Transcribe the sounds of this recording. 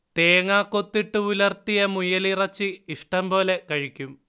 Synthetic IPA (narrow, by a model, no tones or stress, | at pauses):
t̪eːŋaːkːo̞t̪ːiʈːɨulɐrt̪ijɐmujɐlirɐt͡ɕːɨiʂʈɐmpo̞ːle̞kɐɻikʲːum